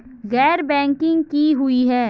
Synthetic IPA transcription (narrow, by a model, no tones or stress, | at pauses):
ɣɛːɾbɛ̃ːŋkɪ̃ŋɡkiɦʊiɦɛː